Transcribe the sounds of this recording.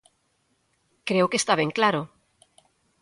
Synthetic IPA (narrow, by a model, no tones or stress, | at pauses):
kɾewkest̪aβ̞eŋklaɾo